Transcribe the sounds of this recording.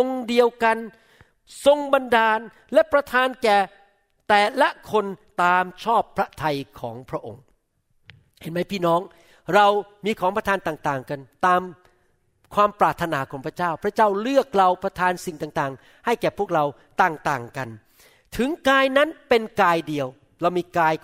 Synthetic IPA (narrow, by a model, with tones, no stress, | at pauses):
o˧ŋdi˧əwka˧n | so˧ŋba˧ndaː˧n | lɛ˦˥pɾa˧t̪ʰaː˧nkɛː˨˩ | t̪ɛː˨˩la˦˥kʰo˧nt̪aː˧mt͡ɕʰɔː˥˩pʰːɾa˦˥t̪ʰa˧jkʰɔː˩˦ŋpʰɾa˦˥ʔo̰˧ŋ | he˨˦nma˦˥˩jpʰiː˥˩nɔː˦˥ŋ | ɾa˧wmiː˧kʰɔː˩˦ŋpɾa˧t̪ʰaː˧nt̪aː˨˩ŋt̪aː˨˩ŋka˧nt̪aː˧m | kʰwaː˧mpɾaː˨˩t̪ʰːa˧naː˩˦kʰɔː˩˦ŋpʰɾa˥t͡ɕaː˥˩wpʰɾa˦˥t͡ɕaː˥˩wlɯ˥˩ək̚ɾa˧wpʰɾa˧t̪ʰaː˧nsi˨˩ŋt̪aː˨˩ŋt̪aː˨˩ŋ | ha˥˩jkɛː˨˩pʰu˥˩k̚ɾa˧w | t̪aː˨˩ŋt̪aː˨˩ŋka˧n | t̪ʰɯ˩˦ŋkaː˧jna˦˥npe˧nkaː˧jdi˧əw | ɾa˧wmiː˧kaː˧j